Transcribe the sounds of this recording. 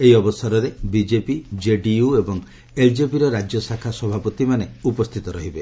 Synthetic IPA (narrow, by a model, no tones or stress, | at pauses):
eɦiɔbɔsaɾɔɾebid͡ʒepid͡ʒeɖiuebɔŋ | eld͡ʒepiɾɔɾad͡ʒjɔsakʰasɔbʱapɔt̪imaneupɔst̪ʰit̪ɔɾɔɦibe